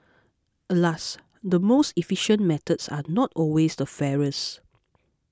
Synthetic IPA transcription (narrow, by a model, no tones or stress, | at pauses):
ʔəlas | dəmostifiʃə̃nmɛt̪ətsa̰nɔtʰɔlwesdəfɛɹəs